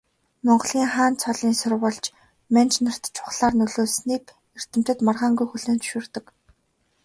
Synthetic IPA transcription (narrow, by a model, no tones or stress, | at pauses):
mɔɴɢ̆ɮiːŋχaːnt͡sʰɔɮiːnsʊrwə̆ɮt͡ɕ | mænt͡ɕnar̥t̪t͡ɕʰʊ̥χɮaːrnɵɮoːsniːk | er̥t̪ɘ̆m̥t̪ɘ̆t̪marʁaːŋɡujxuɮeːnt͡sɵ̥ʃʊːrt̪ɞ̆k